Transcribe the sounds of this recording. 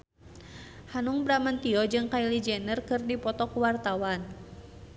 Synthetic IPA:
hanuŋbɾamant̪iɔd͡ʒɨŋkailid͡ʒɛnərkɨrdipɔt̪ɔkuwart̪awan

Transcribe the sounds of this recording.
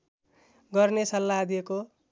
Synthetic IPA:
ɡʌrnesʌlːaːd̪ijeko

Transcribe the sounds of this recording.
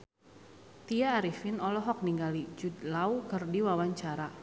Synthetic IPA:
t̪iaːɾifinɔlɔɦɔk̚niŋɡalid͡ʒud̪laukɨrdiwawaɲt͡ʃaɾa

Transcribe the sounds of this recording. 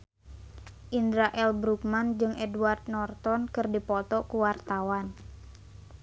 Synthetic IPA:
ʔindɾaʔɛlbɾukmand͡ʒɨŋʔɛduard̪̚nɔrt̪ɔnkɨrdipɔt̪ɔkuwart̪awan

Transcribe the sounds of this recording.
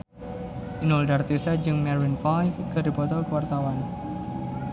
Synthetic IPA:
ʔinɔldart̪isad͡ʒɨŋmɛɾinfajkədi̤pɔt̪ɔkəwart̪awan

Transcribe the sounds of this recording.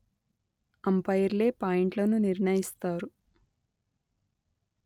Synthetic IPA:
ɐmpɐjɐɾle̞ːpaːjiɳʈlɐnuniɾɳɐjist̪aːɾu

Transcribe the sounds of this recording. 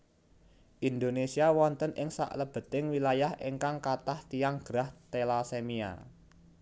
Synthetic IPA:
ʔind̪onesiawɔnt̪ənʔɪŋsa̰ʔləb̥ə̤t̪ɪŋwilajahʔeŋkaŋkat̪aht̪ijaŋɡ̥ɾaht̪elasemia̰

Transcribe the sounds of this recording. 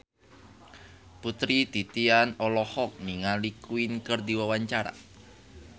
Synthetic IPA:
put̪ɾid̪̥it̪ianɔlɔhɔk̚niŋalikuinkərd̪iwawaɲt͡ʃaɾa̰

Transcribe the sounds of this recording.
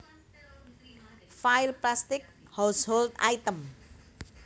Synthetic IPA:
fajlplast̪ik̚hawshold̪a̰jt̪əm

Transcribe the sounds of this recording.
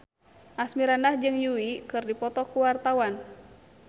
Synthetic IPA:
ʔasmiɾandahd͡ʒɨŋjuwikɨrdipɔt̪ɔkuwart̪awan

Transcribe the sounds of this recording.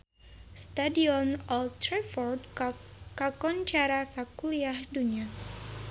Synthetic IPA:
st̪adiɔnɔlt̪ɾɛfɔrdkakɔnt͡ʃaɾasakuliahdunia

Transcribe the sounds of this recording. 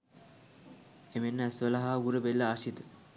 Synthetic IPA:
emenːəæsʋəlaɦaːɡuɾəbelːəaʃit̪ə

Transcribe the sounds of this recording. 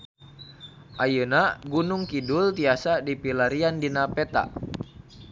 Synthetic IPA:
ʔajənaɡunuŋkidult̪iasadipilaɾiandinapɛt̪a̰

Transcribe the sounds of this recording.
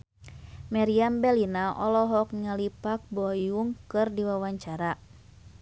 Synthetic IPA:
maɾiambɛlinaʔɔlɔɦɔk̚ŋalipak̚bɔjuŋkɨrdiwawaɲt͡ʃaɾa

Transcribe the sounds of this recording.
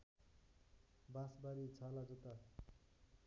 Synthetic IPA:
bãsbaɾit͡sʰalad͡zut̪a

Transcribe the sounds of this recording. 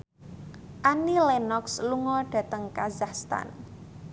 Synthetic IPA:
ʔanilenɔksluŋɔɖ̥ä̤t̪əŋkazakst̪a̰n

